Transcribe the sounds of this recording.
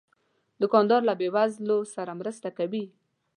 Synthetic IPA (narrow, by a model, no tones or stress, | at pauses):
d̪əkɑnd̪ɑɾlabewazlosaɾamɾəst̪akawi